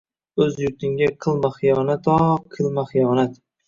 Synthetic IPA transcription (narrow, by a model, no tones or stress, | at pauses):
ɵzjʊɾt̪ʰɪŋɡʲaqʰɨlˠmaχɨjɒnat̪ʰɒqʰɨlˠmaχɨjɒnat̪